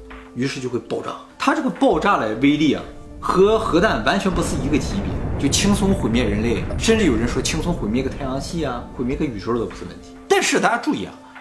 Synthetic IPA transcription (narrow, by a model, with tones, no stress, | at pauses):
y˧˥ʂɻ̩˥˧t͡ɕjo˥˧ʊxwɪpɑ˥˧ʊʈ͡ʂa̰˥˩t̪ʰa˥ʈ͡ʂɤ˥˩ɡə˩pɑ˥˧ʊʈ͡ʂa˥˩lə˨˩we˥ɪli˥˩ɐ̰˩ | xɤ˧˥xɤ˧˥t̪a˥˩nwa˧˥nt͡ɕʰɥɛ˧˥npu˧˥t͡sʰɹ̩˥˩i˧˥ɡə˧t͡ɕʰi˧˥pɛ̰˨˩˦t͡ɕjo˥˧˩ʊt͡ɕʰi˥ŋt͡sʰʊ˥ŋxwe˨˩ɪmjɛ˥˩ɻə˧˥nle˥˩ɪʂə˥˧nʈ͡ʂɻ̩˥˩jo˨˩ʊɻə˧˥nʂwɔ˥t͡ɕʰi˥ŋt͡sʰʊ˥ŋxwe˨˩ɪmɛ˥˧˥kt̪ʰjɑ˧˥ŋɕi˥˩ɐ˧xwe˩mjɛ˥˧kʰy˨˩ʂʰo˥t̪o˧˩pt͡s̩ʰ˥˧ə˥˩nt̪ʰi̥˧˥t̪a˥˧nʂɻ̩˥˧t̪a˥˧˩t͡ɕa˥˧ʈ͡ʂu˥˧i˧˥jɑ̰˥˩ŋ